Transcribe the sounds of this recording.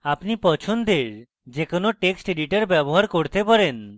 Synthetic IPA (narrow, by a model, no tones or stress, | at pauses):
apnipɔt͡ɕʰond̪eɾ | d͡ʑekonoʈeksʈeɖiʈaɾbɛboɦaɾkoɾt̪epaɾen